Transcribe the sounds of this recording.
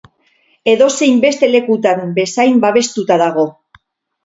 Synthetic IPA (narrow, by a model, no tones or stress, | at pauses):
e̞ðo̞se̞jmbe̞st̪e̞le̞kut̪atbe̞sajmbaβ̞e̞st̪ut̪aðaɣ̞o̞